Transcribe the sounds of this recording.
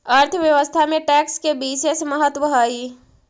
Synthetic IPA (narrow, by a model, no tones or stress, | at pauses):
əɾt̪ʰəʋjəʋəst̪ʰamẽʈɛːkskebiːʃesməɦət̪wəɦaːi